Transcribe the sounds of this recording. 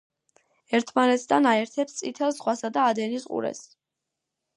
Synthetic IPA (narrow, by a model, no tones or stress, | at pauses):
ɛɾt̪ʰmanɛt̪ʰd̪anaɛɾt̪ʰɛpst̪sʼit̪ʰɛlzʁwasad̪aːd̪ɛnisqʼṵɾɛ̰s